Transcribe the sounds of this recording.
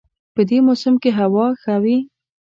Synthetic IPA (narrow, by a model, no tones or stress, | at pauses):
pəd̪emosɪmkeɦawɑxawi